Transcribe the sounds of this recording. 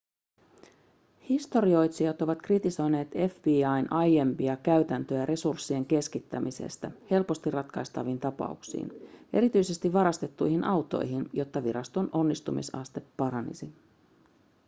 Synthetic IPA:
hist̪o̞ɾio̞jt̪siɑt̪o̞ʋɑt̪krit̪iso̞jne̞ːt̪e̞fbiːɑjnʔɑje̞mpiɑkæyt̪ænt̪øæɾʔe̞sursːie̞ŋk̟e̞skit̪ːæmʔisḛst̪æhe̞lpo̞st̪irːɑt̪kɑjst̪ɑʋint̪ɑpɑ̰uksḭːne̞ɾit̪yjse̞st̪iʋʋɑɾɑst̪e̞t̪ːujhinʔɑwt̪o̞̰jɦinjo̞t̪ːɑʋiɾɑst̪o̞nʔo̞nːist̪umḭsɑ̰st̪e̞pːɑɾɑnḭsi

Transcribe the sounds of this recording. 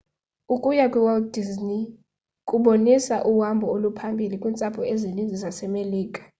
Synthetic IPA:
ukʼujakʼuwɛlddizni | kʼuɓonisaʔuwambʱɔolupʰambʱilikʼwint͡sʼapʰɔɛzinind͡zʱisasɛmeliːkʼḁ

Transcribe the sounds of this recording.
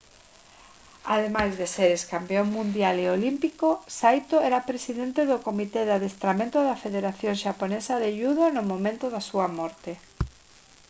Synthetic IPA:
a̰ðemajzðeseɾeskampeoŋmũnd̪jaleolimpikosajt̪oɛɾapɾesiðent̪eðʊkomit̪eðaðest̪ɾamẽnt̪ʊðɐfeðeɾaθjoŋʃaponesɐðeʎuðonʊmõmẽnt̪ʊðasuɐmɔɾt̪e

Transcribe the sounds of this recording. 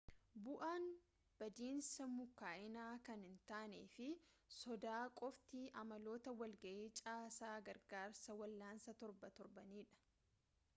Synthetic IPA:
bʊʔaːn | b̥ɐd̪iːnsɐmʊkːaːʔɪnaːkɐnhɪnt̪aːnḛːfɪsɔd̪aːkʼɔft̪ɪʔɐmɐlo̞ːt̪ɐwɐlɡɐʔeːt͡ʃʼaːsaːɡɐɾɡaːɾsɐwɐlːaːnsɐt̪ɔɾbɐt̪ɔɾbɐniːᶑɐ̥

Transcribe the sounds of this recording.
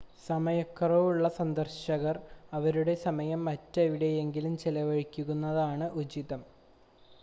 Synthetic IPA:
sɐmɐjɐkːɐroʋuɭːɐsɐnd̪ɐrɕɐɣɐrɐʋɐɾuɽe̞sɐmɐjɐmːɐtːɐʋiɽe̞jeŋɡilumt͡ɕelɐʋɐɻikʲːuɣunːɐðaːɳɨʔud͡ʑiðɐm

